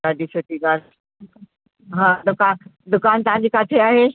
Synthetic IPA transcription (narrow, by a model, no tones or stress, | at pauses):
aːɖisoːʈiɡaːɾ | ɦãːd̪ʊkaːnd̪ʊkaːnt̪ɐʋ̤ãɲd͡ʑiːkaːt̪ʰeaːɦe